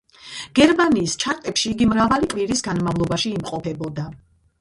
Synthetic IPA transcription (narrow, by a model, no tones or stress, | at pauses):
ɡ̥ɛɾmaniːst͡ʃʰaɾt̪ʼɛpʃiːɡimɾavaliqʼviɾisɡanmavlˠɔbaʃiːmqʼɔpʰɛbɔd̪a